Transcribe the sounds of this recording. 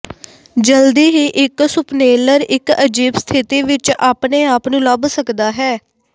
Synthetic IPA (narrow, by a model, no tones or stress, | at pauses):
d͡ʒəld̪iːɦiːʔɪksʊpneːləɾɪkəd͡ʒiːbst̪ʰɪt̪iːʋɪt͡ʃaːpneːaːpnũːləbsəkd̪aːɦɛː